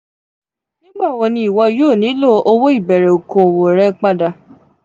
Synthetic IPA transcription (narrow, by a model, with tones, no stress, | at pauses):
nĩ˦ɡ͡ba˦˨wɔ˧nĩ˧i˨wɔ˧˦joː˦˨nĩ˨˦lo˦o˧wo˦i˦˨bɛ˨ɾɛ˨o˨kõ˨o˨wo˨ɾɛ˦k͡pa˦da˧